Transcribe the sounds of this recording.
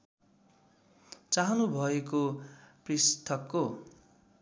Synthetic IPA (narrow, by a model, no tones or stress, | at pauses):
t͡saɦʌnubʱʌekoprist̪ʰʌkːo